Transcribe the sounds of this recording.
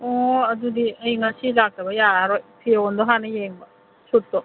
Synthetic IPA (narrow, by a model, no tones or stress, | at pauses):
oɐdudiɐjŋasilak̚tɐbɐjaɾojpʰiondoɦanɐjeŋbɐ | sutːo